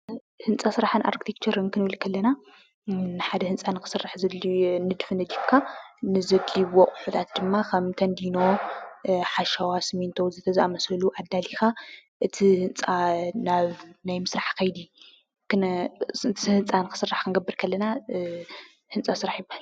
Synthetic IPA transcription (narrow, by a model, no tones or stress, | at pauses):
hɨnt͡sʼasɨɾaħanʔa̰ɾkt̪ʰikt͡ʃʰɐɾɐnkʰɨnɨβɨlkʰɐlːɐna | nɨħad̪ɐhɨnt͡sʼanɨkʰɨ̥sɨrːaħzɐd̪linɨd̪ɨfɨnɨd̪itkʰanɨzɐdliwoχʼuħut̪ʰat̪d̪ɨmːakʰɐmt̪ʰɐnd̪ino̞ | ħaʃawasɨment̪ʰowzɨt̪ʰɐzaʔamɐsɐluʔad̪ːalixaʔɨt̪ʰihɨnt͡sʼanaβnajmɨsɾaħkʰɐjd̪i | kɨ | t̪ɨhɨnt͡sʼanɨkʰɨ̥sɨrːaħkʰɨnɡɐbːɨɾkʰɐlːɐna | hɨnt͡sʼasɨɾaħjɪbːahal